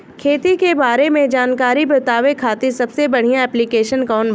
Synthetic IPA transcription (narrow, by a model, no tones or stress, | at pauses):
kʰeːt̪ikebaːɾemẽd͡ʒaːnkaːɾipɾɪt̪aːʋekʰːaːt̪isɐbsebɐɽ̤ijãɛːplikeːʃənkɔːn